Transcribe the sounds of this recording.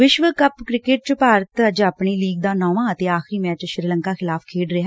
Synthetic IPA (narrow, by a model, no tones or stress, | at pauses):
ʋɪʃʋəkəpkɾɪkɪʈ̚t͡ʃpaːɾət̪əd͡ʒapɳiːliːɡ̚d̪aːnɔːʋãːət̪eːaːxɾiːmɛːt͡ʃʃɾiːləŋkaːxʰɪlaːpʰkʰeːɖɾɪɦɛː